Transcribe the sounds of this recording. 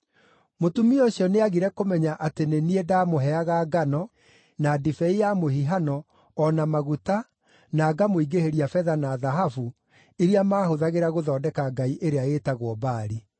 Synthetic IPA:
motumioɕjɔneaɣiɾɛkomɛɲaʔateneniedamoɦɛaɣaɡanɔ | nadifɛijamohiɦanɔː | namaɣuta | naːɡamoiɡeheɾiafɛðanaðaɦafu | iɾiamaːhoðaɣeɾaɣoðɔːdɛkaɡaiʔeɾeaeːtaɣwɔbaːɾi

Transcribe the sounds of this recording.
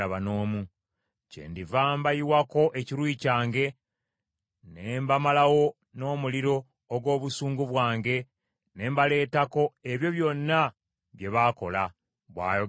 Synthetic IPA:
aβano̞ːmu | cḛːndivaːmbajiwako̞ʔe̞ciɾwiːcaːŋɡe̞ | neːmbamalawo̞ | no̞ːmuliɾo̞ː | ɡwo̞ːβusuːŋɡuβwaːŋɡe̞ | ne̞ːmbale̞ːtako̞eβjo̞βjo̞nːa | βje̞βako̞la | βwa̰ːjo

